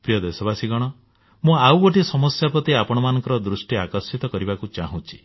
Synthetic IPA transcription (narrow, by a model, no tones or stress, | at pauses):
pɾijɔd̪esɔbasiɡɔɽ̃ɔ | mũawboʈisɔmɔsjapɾɔt̪eapɔɽ̃ɔmanɔ̃ŋkɔɾɔd̪ɾusʈiakɔsit̪ɔkɔɾibakut͡ʃaɦũt͡ʃʰi̥